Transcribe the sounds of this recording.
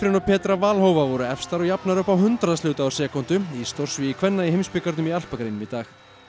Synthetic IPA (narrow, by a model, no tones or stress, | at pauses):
fɾɪnɔpʰɛːt̪ɾavaːlhowvavɔɾʏɛfst̪aɾɔɣjapnaɾʏhpawɦʏnt̪ɾaðst̪ʏːwt̪aawsɛːkɔnt̪ʏist̪ɔr̥svɪikʰvɛnːaiɦejmspɪkaɾt̪nʏmial̥pakɾejnʏmɪt̪aːx